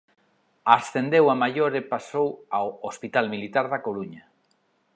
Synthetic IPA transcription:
asθend̪ewamajoɾepasowawospit̪almilit̪aɾðakoɾuɲa

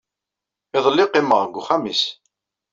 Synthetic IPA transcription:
ɪðˤəlːɪqːɪmːəʁɡʷːuχamis

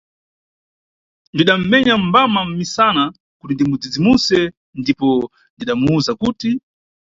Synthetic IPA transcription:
ndiɗam̩mɛɲambamam̩misana | kutindimud͡zid͡zimusɛ | ndipɔ | ndiɗamuuzakuːti

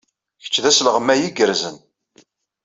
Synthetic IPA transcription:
çə̥t͡ʃːðæslʁəmːæjiɡəɾzən

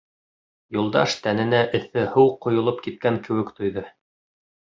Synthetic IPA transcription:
julˠd̪ɑ̰ʃt̪ænɘ̆næʔɵ̆θɘhɤwqŏjŏlˠopkit̪̚kæŋkɘ̆wɘ̆kt̪ŏjðɤ

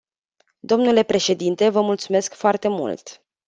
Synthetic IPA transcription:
d̪o̞mnule̞pɾe̞ʃe̞d̪int̪e̞vəmult̪sume̞skfoart̪e̞mṵlt̪

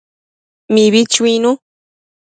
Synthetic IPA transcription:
mĩβit͡ʃwĩnũ

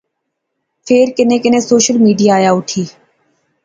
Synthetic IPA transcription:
pʰeːɾkɪnẽːkɪnẽːsoːʃəlmiːɖijaːjaːʊʈʰiː

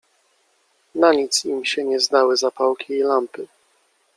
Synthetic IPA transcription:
naɲit̪simɕɛɲɛzd̪awɘzapawkʲiːlampɘ

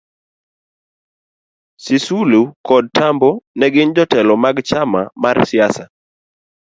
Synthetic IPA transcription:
sisulukɔd̚tambɔnɛɡɪnd͡ʒɔtɛlɔmaɡt͡ʃama̰marsɪasa

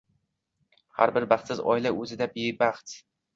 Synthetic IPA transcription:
ha̰ɾbɪɾbɑχt̪sɪzɒ̰ɪlaʔɵzɪd̪abebaχt̪

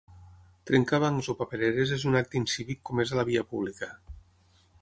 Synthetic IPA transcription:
t̪ɾeŋkaβaŋzopapeɾeɾezezunak̚t̪insiβikːomezalaβiapuβ̞likə

